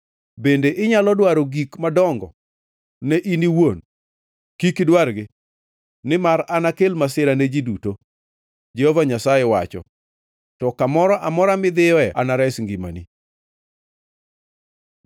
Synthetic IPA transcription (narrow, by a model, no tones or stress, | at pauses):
bendeʔɪɲalɔdwaɾoɡikmadɔŋɡɔ̰ | nɛʔiniwon | kikdwaɾɡɪ | nɪmaɾanakelmasɪɾaned͡ʒiduto | d͡ʒehovaɲasaewa̰t͡ʃɔ̰ | tɔkamɔɾɔʔamɔɾamɪd̪ɪjɔɛanaɾɛsŋɡima̰nḭ